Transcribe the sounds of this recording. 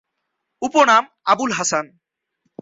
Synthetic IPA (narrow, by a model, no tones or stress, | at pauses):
uponam | abulɦasan